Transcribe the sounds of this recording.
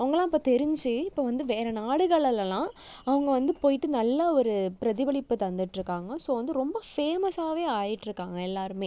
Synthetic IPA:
ɐʋɐŋɡɐlãːɪpːoːt̪ɛɾɪɲd͡ʒɯɪpːoːʋɐnd̪ɯʋeːɾɐnaːɽɯɣɐɭɐllãː | ɐʋɐŋɡɐʋɐnd̪ɯpoːjɪʈːɯnɐlːɐɔɾɯpɪɾɐðɪʋɐɭɪpːɯt̪ɐnd̪ɪʈːɪɾɯkːaːŋɡɐsoːʋɐnd̪ɯɾɔmbɐfeːmɐsaːʋeːaːjɪʈːɪɾɯkːaːŋɡɐɛlːaːɾɯmeː

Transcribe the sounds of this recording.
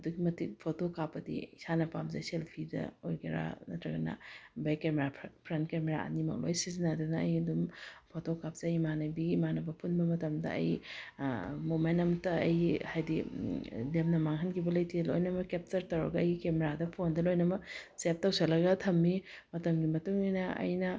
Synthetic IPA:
ɐduɡimɐtipʰotokapːɐdḭisanɐpamzɐ̰selpʰidɐ̰ojkʰiɾa̰nɐ̰tɾɐɡɐnɐ̰bejkemeɾapʰɾentkemeɾa̰ʔɐ̰nimɐ̰k̚lo̰jsizinadunɐɐ̰jɐdumpʰotokap̚zejmanɐbiɡiːmanɐbɐpʰunbɐmɐtɐmdɐ̰ɐ̰j | mumenɐmtːɐɐjhajdi | lemnɐmaŋɦɐnkʰibɐlɐjtʰilo̰jnɐmɐkep̚tɐɾtɐwɾɐ̰ɡɐɐjɡikemeɾadɐpʰondɐlojnɐmɐsep̚tɐwselɐɡɐtʰɐmːimɐtɐmɡimɐtuŋinɐɐ̰jnɐ

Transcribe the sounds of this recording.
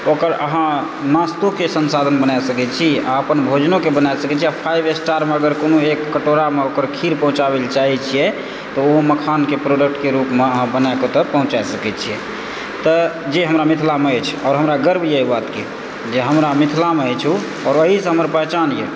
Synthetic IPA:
okəɾə̰ɦã | nast̪okesənsad̪ʱənbənajsəkɛt͡ʃʰia̰əpənbʱod͡ʒnokebənajsəkɛt͡ʃʰiapʰajbesʈaɾmeəɡəɾkonoekːəʈoɾameokəɾkʰiɾpəɦũt͡ʃaβelt͡ʃaɦɛt͡ʃʰijɛ | t̪ɔoməkʰankepɾoɖək̚ʈkeɾupmeəɦãbənakot̪ɔpəɦũt͡ʃaesəkɛt͡ʃʰijɛ | t̪ɔd͡ʒeɦəmɾamit̪ʰlameɛt͡ʃʰɔːɾɦəmɾaɡəɾbʱjejbat̪ke | d͡ʒeɦəmɾamit̪ʰlameət͡ʃʰu | ɔːɾəɦisəɦəməɾpəɦt͡ʃanjɛ̰

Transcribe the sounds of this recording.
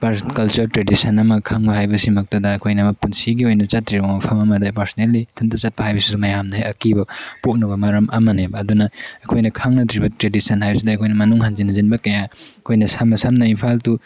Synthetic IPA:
pakɐlt͡ʃɐɾtɾedisʰɐnɐmɐkʰaŋbɐɦajbɐsimɐk̚tɐdɐːkʰojnɐmɐpunsiɡiojnɐt͡ʃatːɾiɾamɐpʰɐmɐmɐdapɐɾsnelːitʰɐntʰɐt͡ʃat̚pɐhajbɐsidumɐjamnɐhajɐkibɐpok̚nɐbɐmaɾɐmʔɐmɐnebɐːdunɐːkʰojnɐkʰaŋnɐtɾibɐtɾedisɐnhajbɐsidɐɐkʰojnɐmɐnuŋɦanzinɐzinbɐkɐjaɐkʰojnɐsamːɐsamnɐinpʰaltu

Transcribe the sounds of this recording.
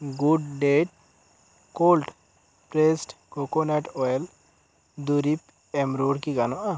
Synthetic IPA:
ɡuɖɖeʈ̚ | kolʈ | pɾesʈkokonaʈɔl | d̪uɾip | ɛmɾoɽkiɡanɔʔa

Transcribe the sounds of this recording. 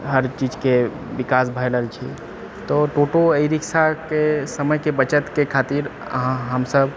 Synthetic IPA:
ɦəɾt͡ʃid͡ʒke | bikasbʱəjləlt͡ʃʰḭ | t̪ɔʈoʈoəɪɾiksakesəməjkebət͡ʃət̪kekʰat̪iɾə̰ɦãɦəmsəb

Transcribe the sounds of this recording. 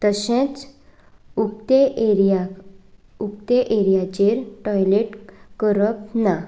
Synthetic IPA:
t̪əsẽt͡s | ukt̪eɾa | uk̚t̪eʔeɾjat͡ɕeɾʈɔjleʈkəɾəpna

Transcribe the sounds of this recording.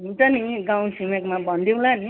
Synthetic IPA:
ɦit̪ʌniɡaw̃simekmabʌnd̪ĩlani

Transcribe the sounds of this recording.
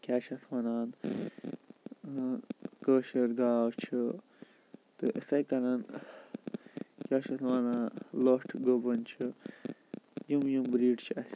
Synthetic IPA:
kʲaːʃɐt̪ʰwanaːn | kəːʃɐɾɡaːwt͡ʃʰi | t̪ɨʔəsɐjkɐnɐn | kʲaːʃɐt̪ʰwaːnaːnloʈʰɡobɐnt͡ʃʰi | jumjumbɾiːʈt͡ʃʰiɐs

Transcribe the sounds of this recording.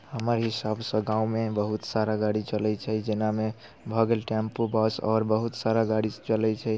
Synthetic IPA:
həməɾɦisabsə̃ɡãũmebəɦut̪saɾaɡaɽit͡ʃəlɛt͡ʃʰɛd͡ʒename | bʱəɡelʈɛmpobasɔ̰ɾbəɦut̪saɾaɡaɽit͡ʃəlɛt͡ʃʰɛ

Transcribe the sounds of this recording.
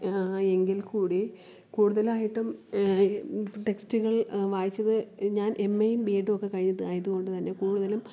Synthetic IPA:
e̞ŋɡilkuːɽi | kuːɽuðɐlaːjiʈːum | ʈe̞kstuɣɐɭʋaːjit͡ɕːɐðɨɲaːnʔe̞mːejumbiːɖɨo̞kːe̞kɐɻiɲːɐðɨaːjɐðuɣo̞ɳɖɨt̪ɐnːe̞kuːɽuðɐlum

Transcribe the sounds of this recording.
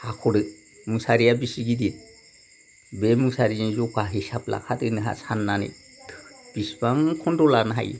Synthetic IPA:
hakʰɔɽɯ | musaɾijabisiɡid̪it̪̚ | bemusaɾiɲizɔkaɦisabla̰kʰat̪ɯnɯɦa̰sanːanḭ | t̪ʰb̥isbaŋkʰɔndɔlanaɦa̰j

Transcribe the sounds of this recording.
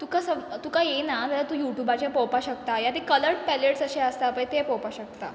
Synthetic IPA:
t̪ukasət̪ukajenat̪alat̪ũːjuʈjubat͡ɕjapɔwpaɕəkt̪ajat̪ekələɾʈ̚pɛleʈsəɕeəst̪aːpə̃jt̪epɔpaɕək̚t̪a

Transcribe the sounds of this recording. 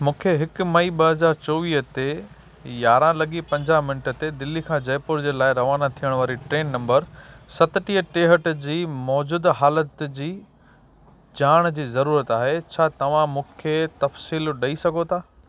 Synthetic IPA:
mũːkʰeɦɪkʊmɐiɓɐɦɐzaːɾt͡ɕoːʋiːɦət̪e | jaːɾãlɐɠipɐ̃ɲd͡ʑaːɦmɪnəʈə̆t̪ed̪ɪlikʰãːd͡ʑɐjpʊɾd͡ʑeːlaːɪɾɐʋaːnat̪ʰijəɽ̃ʋaːɾiʈɾeːnːɐ̃mbəɾsɐt̪ɪʈiɦəʈeːɦəʈd͡ʑiːmɔːd͡ʑuːd̪ɦaːlət̪d͡ʑiː | d͡ʑaːɽ̃d͡ʑiːzɐɾuːɾət̪aːɦet͡ɕʰaːt̪ɐʋ̤ãmũːkʰet̪ɐfsiːlɗɐisɐɡʱot̪ʰaː

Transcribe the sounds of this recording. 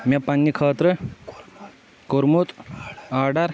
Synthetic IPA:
mapanːikʰət̪ɾə | koɾmut̪aɖaɾ

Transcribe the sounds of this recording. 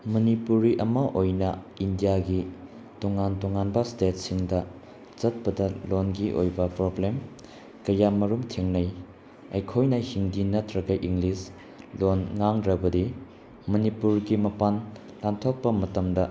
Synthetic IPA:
mɐnipuɾiʔɐmɐʔojnɐindijaɡi | toŋantoŋanbɐstet̚siŋdɐ | t͡ʃɐt̚pɐdɐlonɡiʔo̰jbɐpɾoblem | kɐjamɐɾumtʰeŋnɐj | ɐjkʰojnɐhiŋdinɐtɾɐɡɐʔiŋɡlis | lonŋaŋdɾɐbɐdi | mɐnipuɾɡimɐpan | lantʰok̚pɐmɐtɐmdɐ

